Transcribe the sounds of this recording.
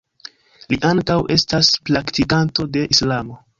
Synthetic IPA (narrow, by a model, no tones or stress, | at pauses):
liʔaŋkawe̞staspɾaktikanto̞de̞ʔislamo̞